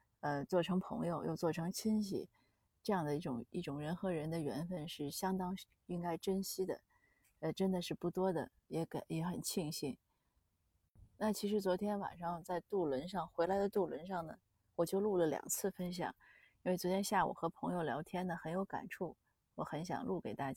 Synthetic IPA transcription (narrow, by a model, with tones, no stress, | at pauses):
ə˧t͡swɔ˥˩ʈ͡ʂʰɤ˧˥ŋpʰɤ̰˧˥ŋjo˧ʊjo˥˧ʊt͡swɔ˥˩ʈ͡ʂʰɤ˧˥ŋt͡ɕʰi˥nɕ̬ḭ˨˩ | ʈ͡ʂɤ˥˧jɑ˥˩ŋd̪ə˩i˥˩ʈ͡ʂʊ̰˨˩ŋi˥˩ʈ͡ʂʊ˨˩ŋɻə˧˥nxɤ˧˥ɻə˧˥nd̪ə˧ɥɛ˧˥nfə˥˧nʂɻ̩˥˩ɕjɑ˥ŋt̪ɑ˥ŋ | i˥ŋka˥ɪʈ͡ʂə˥nɕi˥d̪ə̰˨ | ə˧ʈ͡ʂə˥nd̪ə˨ʂɻ̩˥˧pu˥˩t̪wɔ˥d̪ə̰˨˩ | jɛ˧˥kjɛ˧˥xə˨˩nt͡ɕʰi˥˩ŋɕi˥n | na˥˩t͡ɕʰi˧˥ʂɻ̩˧˥t͡swɔ˧˥t̪ʰjɛ˥nwa̰˨˩nʂɑ˥˧ŋt͡sa˥˧ɪt̪u˥˩lwə˧˥nʂɑ˥˩ŋxwe˧˥ɪla˧˥ɪd̪ə˧t̪u˥˩lwə̰˧˥nʂɑ˥˩ŋnə˩ | wɔ˨˩t͡ɕjo˥˧ʊlu˥˩lə˩ljɑ̰˨˩ŋt͡sʰɹ̩˥˩fə˥nɕ̬jɑ̰˨˩˦ŋ | i˥nwe˥˩ɪt͡swɔ˧˥t̪ʰjɛ˥nɕja˥˩wṵ˨˩xɤ˧˥pʰɤ˧˥ŋjo˥˧ʊljɑ˧˥ʊt̪ʰjɛ˥nd̪ə˨xə˧˥njo˧˥ʊka̰˨˩nʈ͡ʂʰu˥˩ | wɔ˧˥xə˧˥nɕ̬jɑ̰˨˩ŋlu˥˩ke˨˩ɪt̪a˥˩t͡ɕa˥